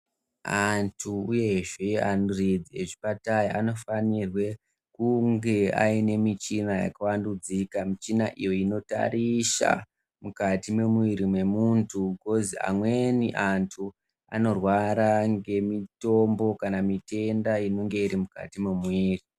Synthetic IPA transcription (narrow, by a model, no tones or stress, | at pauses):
antʰuuje̞ʐe̞anurid͡zieʐipatajaano̞fanirwe̞ | kuŋɡe̞a̰ine̞mit͡ʃinaja̰kawandud͡zikamit͡ʃinaʔijo̞ino̞ta̰riʃa̰ | mukatimemwiɾimwe̞muntʰuɡo̞zia̰mwe̞nḭʔantʰu | a̰no̞rwaɾaŋɡe̞mito̞mbo̞kanamite̞ndaino̞ŋɡe̞iɾimuka̰timumwiːri